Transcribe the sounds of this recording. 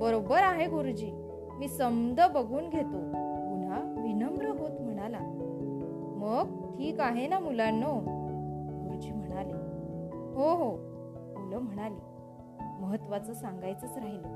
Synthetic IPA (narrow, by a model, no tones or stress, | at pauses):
bəɾobəɾaɦeɡuɾd͡ʑiː | miːsəmd̪ʱəbəɡʱuːnɡʱet̪omun̤aʋinəmbɾəɦot̪m̤əɽ̃ala | məɡ̚ | tʰiːkaɦenamulano | ɡuɾd͡ʑiːm̤əɽ̃ale | ɦoɦo | muləm̤əɽ̃ali | məɦət̪ːʋat͡səːsaŋɡajt͡səːt͡sɾaɦina